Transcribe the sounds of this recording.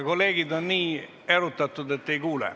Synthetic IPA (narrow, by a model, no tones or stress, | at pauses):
koleːɡid̪onniː | erut̪ːɑt̪ːud̪et̪ːejkuːlɛ̰